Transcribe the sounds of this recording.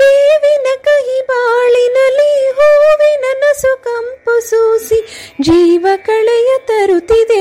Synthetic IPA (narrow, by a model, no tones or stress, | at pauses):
d̪eːʋinɐkɐɦibaːɭinɐlːiɦoːʋinɐnɐsukɐmpusuːsid͡ʒiːʋɐkɐɭɛjɐt̪ɐɾut̪id̪e